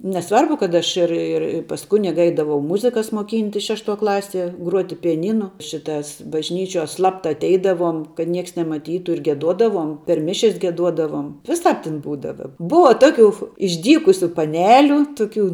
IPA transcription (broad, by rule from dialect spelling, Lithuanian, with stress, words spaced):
nʲɛˈsʋɐrbʊ kɐt ˈɐʃ ɪr ɪr pɐs ˈkʊnʲɪɡɐ ˈɛɪdɐʋɐʊ ˈmʊzʲɪkɐs moːˈkʲiːnʲtʲɪs ˈʃʲæːʃˌtuɔ ˈklˠɑːˌsʲiɛ ˈɡruɔtʲɪ pʲɪjɛˈnʲiːnʊ ˈʃʲɪtɐs bɐʒʲˈnʲiːt͡ʃʲuɔ ˈslˠɑːptɐ ɐtʲˈɛɪdɐʋuɔm kɐt ˈnʲiɛks nʲɛmɐˈtʲiːtʊ ɪr ɡʲiɛˈduɔdɐʋuɔm pʲɛr ˈmʲɪʃʲɛs ɡʲiɛˈduɔdɐʋoːm ʋʲɪˈsɑːp tʲɪn ˈbuːdɐʋɐ ˈbʊʋɐ ˈtoːˌkʲʊ ɪʒʲˈdʲiːkʊsʲʊ pɐˈnʲæːlʲʊ ˈtʊˌkʲuː